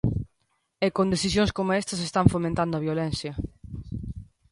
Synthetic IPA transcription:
ekõnd̪eθisjõŋskomoest̪ɐsest̪aɱfomẽnt̪and̪ʊɐβjolɛnθjɐ

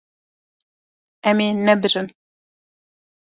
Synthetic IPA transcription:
ɛmeːnɛbɨɾɨn

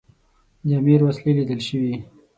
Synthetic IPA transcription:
d̪amiɾwaslilid̪əlʃəwi

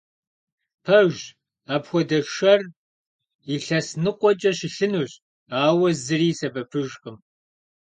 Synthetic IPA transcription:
pʰɐʒ | aːpxʷɔdɐʃɐr | iɬɐsnɨqʷʼɔt͡ʃʼɐɕɪɬɨnuːɕʼ | aːwɐzɨriːsɐbɐpʰɨʒʼqəm

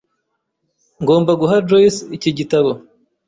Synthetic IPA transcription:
ŋɡo̞ːmbaɡuɦadɾoisiciɟitaβo

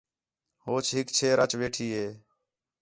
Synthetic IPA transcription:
ɦoːt͡ʃʰɦɪkt͡ʃʰeːɾət͡ʃʋeːʈʰiːɦeː

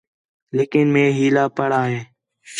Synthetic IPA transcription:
leːkɪnmẽːɦiːlaːpəɽaːɦẽː

